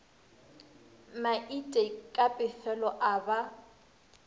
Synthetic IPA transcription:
maʔitʼekʼapʼɪfɛlɔʔaba

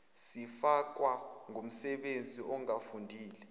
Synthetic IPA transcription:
sifak̬ʼwaŋum̩sɛɓend͡zʱiʔɔŋafundʱiːlɛ

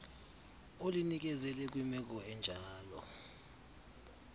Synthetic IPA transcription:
olinik̬ɛzɛlɛk̬wimɛk̬ɔɛnd͡ʒʱaːlɔ̰

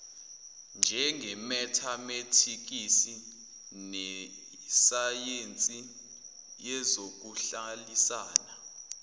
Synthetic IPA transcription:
nd͡ʒʱɛŋʱɛmɛtʰametʰik̬isi | nɛ | sajent͡sʼi | jɛzok̬uɬalisaːna

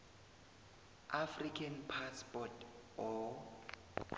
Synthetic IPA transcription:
ʔafrikʰanpʰaspʼɔtɔ

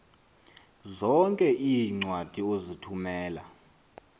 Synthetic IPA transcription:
zɔŋkʼɛʔijŋ͡ǀwad̥ʱiozitʰumɛːla̰

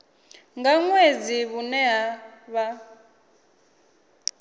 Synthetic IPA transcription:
ŋɡaŋwed͡ziβunɛɦaβa

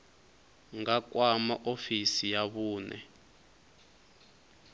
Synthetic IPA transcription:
ŋak̬wamaʔofisijaβuːnɛ̰

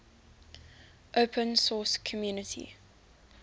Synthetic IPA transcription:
ʔoʊpʰə̃nsɔːskʰɔmjuːnətʰḭ

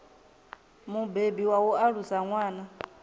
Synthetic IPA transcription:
mubebiwawɔaɺusaŋwaːna

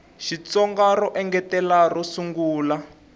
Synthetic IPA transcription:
ʃit͡sɔŋɡarɔʔɛŋɡɛtɛlarɔsuŋɡuːla

